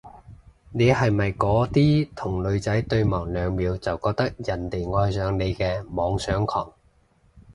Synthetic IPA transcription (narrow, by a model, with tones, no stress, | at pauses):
ne˨˧jhɐ˨jmɐ˨jkɔː˨˥t̪iː˥t̪ʰʊ˨˩ŋlɵ˨˧ɥt͡sɐ˨˥jt̪ɵ˧ɥmɔː˨˩ŋlœː˨˧ŋmiː˨˧wt͡sɐ˨wkɔː˧k̚t̪ɐ˥k̚jɐ˨˩nt̪e˨˩jŋɔː˧jsœː˨˧ŋne˨˧jkɛː˧mɔː˨˧ŋsœː˨˥ŋkʰɔ̰ː˨˩ŋ